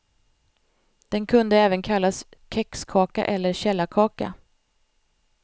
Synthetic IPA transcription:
d̪̥ɛnkʰɵnd̪əɛːvənkʰalːaskʰɛkskʰɑːka̰ʔɛlːəɾɕɛlːakʰɑːka̰

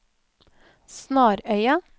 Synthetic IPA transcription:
snɑːɾœʏɑ

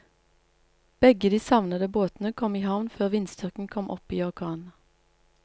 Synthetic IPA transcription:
b̥ɛɡəd̪iːsɑʋnəd̪əboːt̪n̩əkʰɔmiːhɑʋnføːʁʋɪnst̪ʏʁkŋ̩kʰɔmʔɔ̰piːɔʁkʰɑːn

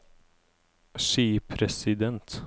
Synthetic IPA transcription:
ʂiːpʰɾɛsɪd̪ɛnt̪

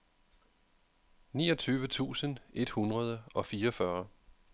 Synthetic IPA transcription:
niːʌt͡sʰyːʋət͡sʰṵːsəne̝d̥hunʁɐð̞ˠəɒ̽fiːɐɒfɶɐ

